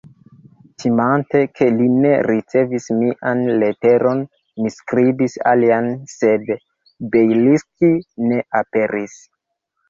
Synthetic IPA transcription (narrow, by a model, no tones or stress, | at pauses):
timante̞kʰe̞line̞ɾit͡se̞vismiʔanle̞te̞ɾo̞n | miskɾibisa̰lianse̞d | bejliskine̞ʔape̞ɾis